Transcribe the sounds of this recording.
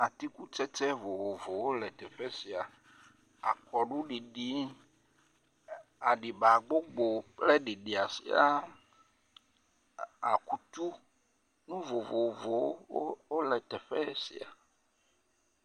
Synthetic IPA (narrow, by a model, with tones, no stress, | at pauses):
a˨t̪i˦ku˦t͡ʃɛ˦tɛ˦vo˨vo˨vo˨wo˦lɛ˨t̪ɛ˨ɸɛ˦si˨a˨ | a˨kɔ˨ɖu˦ɖi˨ɖi˦ | a˨ɖi˨ba˨ɡ͡bo˦ɡ͡bo˨plɛ˦ɖi˨ɖi˨a˨sḭ˨a˦ | a˨ku˦t̪u˦ | nũ˦vo˨vo˨vo˨wo˦lɛ˨t̪ɛ˨ɸɛ˦sḭ˨a̰˨